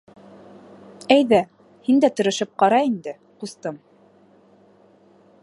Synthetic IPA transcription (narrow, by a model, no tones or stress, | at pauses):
æjðæ | hind̪æt̪ɤ̆ɾɤ̆ʃɤp̚qɑɾɑind̪ɘ | qust̪ɤm